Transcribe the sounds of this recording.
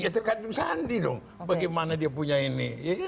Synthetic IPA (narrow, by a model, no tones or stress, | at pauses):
at̪ərkad͡ʒusandidɔŋ | baɡajmanadiapuɲainiɛ